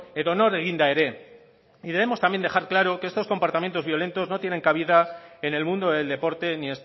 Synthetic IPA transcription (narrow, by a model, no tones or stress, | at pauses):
eðo̞no̞ɾeɣind̪aeɾe̞ | iðe̞βe̞mo̞st̪ambje̞nd̪e̞xaɾklaɾo̞keest̪osko̞mpaɾt̪ament̪o̞zβjo̞le̞nt̪o̞zno̞t̪jene̞ŋkaβ̞iðae̞ne̞lmũnd̪o̞ðeld̪e̞po̞ɾt̪e̞nie̞s